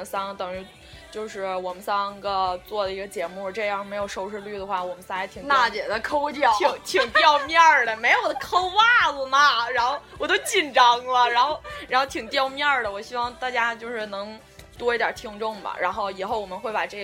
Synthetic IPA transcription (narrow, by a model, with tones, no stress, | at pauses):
sɑ˥ŋt̪ɤ˨˩ŋɻy˧˥ | t͡ɕjo˥˧ʊʂɻ̩˥˩wɔ˨˩mə˦nsɑ˥ŋɡə˧t͡swɔ˥˩d̪ə˩i˧˥ɡə˧t͡ɕjɛ˧˥mu˥˩ʈ͡ʂɤ˥˧jɑ˥˩ŋme˧˥ɪjo˨˩ʊʂo˥ʊʂɻ̩˥˧ly˥˩d̪ə˩xwa˥˩wɔ˨˩mə˦nsa˥ŋɛ˥t̪ʰi˨˩t̪a˥˩t͡ɕjɛ˨˩d̪ə˦kʰo˥ʊt͡ɕjɑ˥˩ʊi˨˧˩ŋt̪ʰi˨˩ŋt̪jɑ˥˧ʊmjɑ˥˩d̪ə˩me˧˥ɪjo˨˩ʊd̪ə˦kʰo˥ʊwa˥˩lə˨˩mɐ˩ɻa˧˥nxo˥˩ʊwwɔ˨˩t̪o˥ʊt͡ɕi˥˩nʈ͡ʂɑ˥ŋlə˨ɻa˧˥nxo˥˧ʊɻa˧˥n˥xo˥˩ʊt̪ʰi˨˩ŋt̪jɑ˥˧ʊmjɑ˥˩d̪ə˩wɔ˨˩ɕi˥wɑ˥˧ŋt̪a˥˩t͡ɕja˥t͡ɕjo˥˧ʊʂɻ̩˥˩nɤ˧˥ŋ | t̪wɔ˥i˧˥t̪j̰t̪ʰi˥ŋʈ͡ʂʊ˥˩ŋbɐ̰˩ɻʔa˧˥nxo˥˩ʊi˨˩xo˥˩ʊwɔ˨˩ə˦nxwe˥˩ɪpa̰˨˩ʈ͡ʂɤ˥˩